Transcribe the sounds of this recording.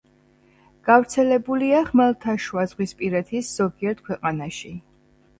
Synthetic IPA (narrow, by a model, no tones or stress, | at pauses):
ɡ̥avɾt̪sʰɛlɛbuliaχmɛlˠt̪ʰaʃwazʁwispʼiɾɛt̪ʰisz̥ɔɡiɛɾt̪̚kʰwɛqʼanaʃi